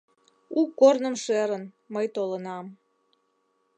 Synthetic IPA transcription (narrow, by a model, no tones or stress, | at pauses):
ukːornəmʃeɾən | məjt̪olənɑm